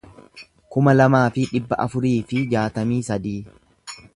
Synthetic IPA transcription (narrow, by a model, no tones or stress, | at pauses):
kʊmɐlɐmaːfɪᶑɪbːɐʔɐfʊɾiːfɪd͡ʒaːt̪ɐmiːsɐd̪iː